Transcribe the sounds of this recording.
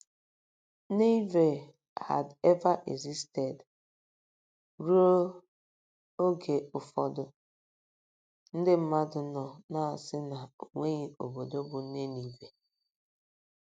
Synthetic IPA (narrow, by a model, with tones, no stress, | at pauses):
ne˦ve˨ | ha̰˨dɛ˦va˦ʔḛ˨ɡzi˦ste˨d | ɾu˦o˦ | o˦ɡe˨ʊ˨fɔ˦dʊ˦ | n̩˦dɪ˦m̩˦ma˦dʊ˨nɔ˨na˨a˨sɪ˦na˨o˨ŋʷe˦ɣi˨o̰˨bo˨do˦bʊ˨˦ne˦ni˨ve˨